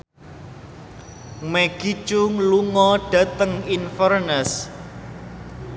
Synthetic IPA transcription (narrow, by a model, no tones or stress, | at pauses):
meɡ̥it͡ʃʊŋluŋɔɖ̥ä̤t̪əŋinfərnəs